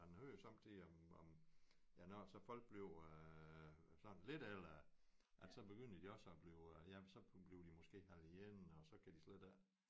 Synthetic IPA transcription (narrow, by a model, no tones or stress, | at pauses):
ænhøɐ̰josɑ̈mt͡sʰiɒmɒm | jænɒsɒ̽fɒ̽l̰ɡ̥̚b̥le̝ʊ | sɒ̽n̩le̝d̥el̰ɐ | ʔælsɒ̽b̥e̝ɡ̥øn̰d̥əd̥iɒ̽sɒb̥leʊjæsɒ̽b̥le̝ʊd̥imɔsɡ̥e̝̰ːhæl̰ijenɒ̽sɒ̽kʰæd̥isled̥æɐ